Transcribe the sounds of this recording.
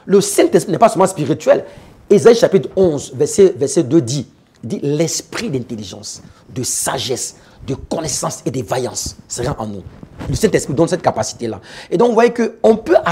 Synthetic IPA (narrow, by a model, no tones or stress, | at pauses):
ləsɛ̃t̪ɛspinɛpasɛlmɑ̃spiʁit̪ɥɛl | ezaiʃapit̪χɔ̃zvɛʁsɛvɛʁsɛd̪ød̪i | d̪ilɛspχid̪ɛ̃t̪eliʒɑ̰̃sd̪əsaʒɛs | d̪əkɔnɛsɑ̃sed̪evajɑ̰̃sːeʁɑ̃ʔɑ̰̃nṵ̃ləsɛ̃t̪ɛspχid̪ɔ̃nsɛt̪̚kapasi̥t̪ela̰ed̪ɔ̃kvwajekəɔ̃pøʔa